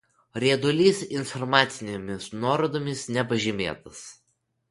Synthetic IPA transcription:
ɾʲiːd̪ʊlʲiːsɪnfɔɾmɑːt̪sʲɪnʲemʲɪsnuɔɾod̪oːmʲɪsnʲɛpɐʒʲɪmʲeːt̪ɐs

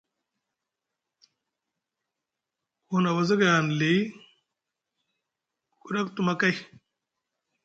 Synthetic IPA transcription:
hunɐwɐzɐɡjaːnli | kuɾɐkt̪umɐkɐj

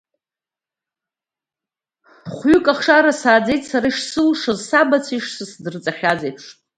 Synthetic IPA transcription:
χʷɥʏkʼaχʂaɾasaːd͡ze̞jtʼsaɾaiʂsɨlʂozsabat͡sʰiʂsɨsdɨrt͡sʼaχʲad͡zejpʂʰ

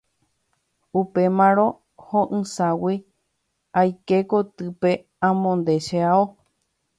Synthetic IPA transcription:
upe̞mãɾõ̞ | hoʔɨ̃sawi | ajke̞kot̪ɨpe̞ | ãmõnd̪e̞ʃeao

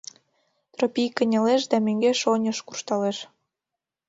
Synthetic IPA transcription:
t̪ropʲijkənʲɑleʃd̪ɑmøŋɡeʃonʲəʃkurʃt̪ɑleʃ

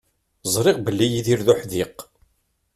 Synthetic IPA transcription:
zˤɾˤɪʁbəlːijiðiɾðuħðiq

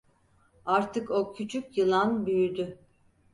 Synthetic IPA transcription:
aɾt̪ʰɯkocʰyt͡ʃʰycjɯlˠanbyjyd̪y

